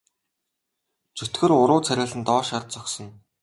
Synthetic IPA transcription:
t͡sɵt̪ɡɘ̆rʊɾʊːt͡sʰæɾʲăːɮɘ̆nt̪ɔːʃart̪̚t͡sɔksɞ̆n

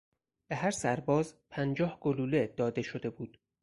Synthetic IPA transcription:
b̥eɦæɾsæɾbɒːzpʰænd͡ʒɒːhɡ̥oluːled̪̥ɒːd̪e̞ʃod̪e̞buːd̪̥

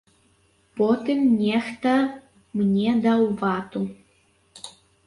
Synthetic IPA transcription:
pot̪emnʲext̪ə | mnʲed̪ɑwvɑt̪u

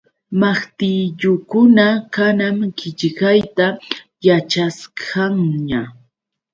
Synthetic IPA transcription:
maχt̪ɪʎʊkʊnakanamkɪʎɢajt̪a | jat͡ʃaskʰaŋɲa

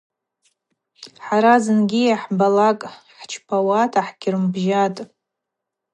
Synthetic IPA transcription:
ħaɾazɨnɡʲijaħbalakʼ | ħt͡ʃʰpʰawatʰaħɡʲɪrɨmbʒatʼ

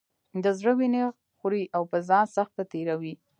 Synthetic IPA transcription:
d̪əzɽəwineɣ | xuɾiʔawpəzɑnsaxt̪̚pat̪eɾawi

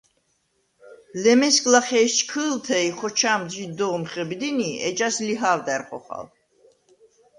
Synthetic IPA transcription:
lɛmɛskʼlaχɛst͡ʃkʰɨlt̪ʰɛiχɔt͡ʃʰaːmd̪zid̪ɔʁmχɛbid̪iniɛ̰t͡ʃʼasliɦaːvd̪ɛɾχɔ̰χa̰l

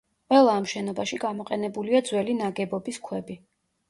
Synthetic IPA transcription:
qʼwɛlˠaːmʃɛnɔbaʃiɡamɔqʼɛnɛbuliad̪zwɛlinaɡɛbɔbiskʰwɛbi

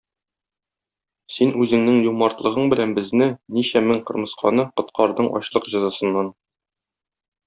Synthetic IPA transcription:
sinʉzɘ̆ŋnɘŋjumɑɾt̪lˠɤ̆ʁɤɴbɘ̆lænbɘ̆znɘniɕæmɘŋqɤ̆ɾmɤ̆sqʰɑ̰nɤqŏt̪qɑɾd̪ɤɴʔɒ̰ɕlˠɤqʑɒzɑsɤ̆nːɑn

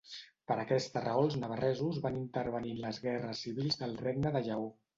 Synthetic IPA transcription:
pəɾəkɛst̪ərəolˠznəβ̞ərɛzuzβanint̪əɾβ̞əninləzɣɛrəsːiβilˠzðəlˠreɡnəðəʒəo

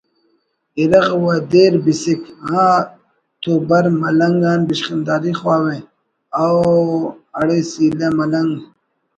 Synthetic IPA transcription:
iɾɐɣwad̪eːɾbisikãː | t̪ubɐɾmɐlɐŋɡaːnbiʃqind̪aːɾiχwaːwe | aw | ɐɽesiːlemɐlɐŋɡ

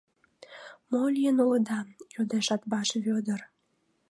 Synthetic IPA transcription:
molʲijənuləd̪ɑjod̪eʃɑt̪bɑʃβʲød̪ər

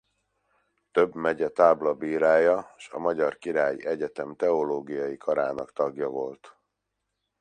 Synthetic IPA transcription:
t̪ø̞bmɛɟɛt̪aːblɒbiːɾaːjɒʃɒ̰mɒɟɒrkiɾaːjḭʔɛɟɛt̪ɛmt̪ɛoloːɡijɒjikʰɒɾaːnɒkt̪ɒɡjɒvo̞lt̪

